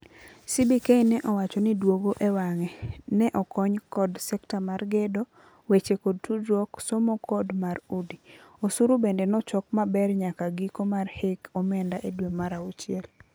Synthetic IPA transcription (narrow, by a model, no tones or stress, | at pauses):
sibikeinɛʔɔwat͡ʃɔnidwoɡoʔewaŋɛnɛʔɔkɔɲkɔdsɛktamarɡedo | wet͡ʃekod̚tudwɔksɔmɔkʰɔdmaɾudiosuɾubendenɔt͡ʃɔkmabɛrɲakaɡikomarhekɔmɛndaʔedwemaɾaut͡ʃɪɛl